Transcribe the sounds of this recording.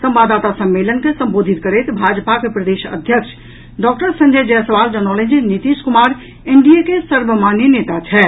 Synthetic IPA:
səmbaːd̪aːt̪asəmːelənkesəmbod̪ʱit̪kəɾet̪bʱad͡ʒpakepɾəd̪eʃə̰d̪ʱjəkt͡ʃʰ | ɖɔk̚ʈəɾsə̃ɲd͡ʒəd͡ʒɛsəʋaːld͡ʒənɔlə̃nd͡ʒinit̪iskumaːɾ | eɳɖiekesəɾbəmaːnjenet̪at͡ʃʰɛ

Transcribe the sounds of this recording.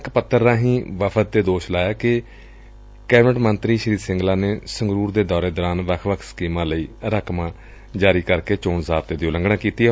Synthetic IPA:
kpət̪ʰːəɾːãːɦĩːʋəpʰət̪̚ːeːd̪oːʃlaːjaːkɪ | kɛːbnəʈmənt̪ɾiːʃəɾiːd̪sɪ̃ŋɡlaːneːsəŋɡɾuːɾd̪eːd̪ɔːɾeːd̪ɔːɾaːnʋəkʰʋəkʰskiːmãːləiːɾəkmãː | d͡ʒaːɾiːkəɾkeːt͡ʃoːnzaːb̚t̪eːd̪ioːləŋɡɽãːkiːt̪iːɛ

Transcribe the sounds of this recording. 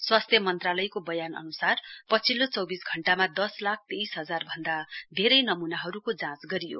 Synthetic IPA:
swast̪ʰjʌmʌnt̪ralʌjkobʌjanʌ̰nusarpʌt͡sʰilːot͡sʌwbisɡʱʌɳʈamad̪ʌslak̚ʰt̪ejsɦʌd͡zarbʱʌnd̪ab̪ʱeɾʌjnʌmunaɦʌɾukod͡zãt͡sɡʌɾijo̰

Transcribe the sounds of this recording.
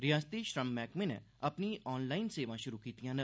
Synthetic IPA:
ɾijaːst̪iʃɾɐmːɛːkmẽnḛ̃ɐpniɔːnlaːɪnseːʋãʃʊɾukiːt̪ijãnɐ

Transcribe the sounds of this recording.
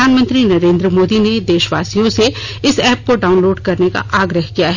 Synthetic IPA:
aːnmə̃nt̪ɾinɐɾẽːnd̪ɾəmoːd̪ined̪eːʃʋaːsijõse | ɪsɛːp̚koɖaːʊnloːɖkɐɾneka̰ʔaːɡɾəɦkijaɦɛ

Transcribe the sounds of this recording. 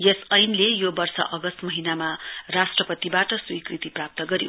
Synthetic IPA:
jesʌjnlejobʌrsʌ̰ʔʌɡʌst̪mʌɦinamarasʈrʌpʌt̪ibaʈʌswikrit̪iprap̚t̪ʌɡʌɾjo̰

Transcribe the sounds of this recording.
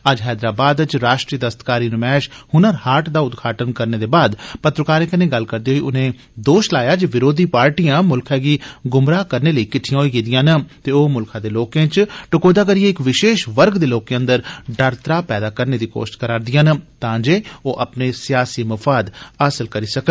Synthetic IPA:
əd͡ʒɦɛːd̪ɾaːbaːd̪t͡ʃɾaːʃʈɾiːəd̪əst̪kaːɾiːnũːmɛːʃhʊnəɾhaːʈd̪aːʊd̪ɡʱaːʈənkəɾneːd̪eːbaːd̪pət̪ɾəkaːɾẽːkənẽːɡəlkəɾd̪eːɦoːiːʊnẽː | d̪oːʃlaːjaːd͡ʒeʋɪɾoːd̪iːpaːɾʈijãːmʊlkʰaːɡiːɡʊmɾaːkəɾneːləiːkɪʈʰːɪjãɦoːiːɡid̪ɪjãːnət̪eːoːmʊlkʰãːd̪eːloːkẽːt͡ʃʈʊkoːd̪aːk̬əɾijeːɪkʋɪʃeːʃʋəɾɡd̪eːloːkeːə̃nd̪əɾɖəɾt̪ɾaːpɛːd̪aːkəɾneːd̪iːko̰ːʃɪ̥ʃkəɾaːɾd̪ɪjãːnt̪ãːd͡ʒeːoːʔəpneːsɪjaːsiːməfaːd̪əsəlkəɾiːsəkə

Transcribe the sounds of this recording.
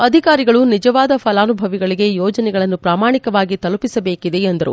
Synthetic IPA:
ɐd̪ʱikaːɾiɡɐɭunid͡ʒɐʋaːd̪ɐpʰɐlaːnubʱɐʋiɡɐɭiɡe̞jɔːd͡ʒɐnɛɡɐɭɐnːupɾaːmaːɳikɐʋaːɡit̪ɐlupisɐbe̞ːkid̪e̞ːnd̪ɐɾṵ

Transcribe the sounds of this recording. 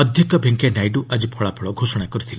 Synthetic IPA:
ɔd̪ʱjɔkɔbʱeŋkenajɖuʔad͡ʒipʰɔɭapʰɔɭɔɡʱosɔɽ̃akɔɾit̪ʰila

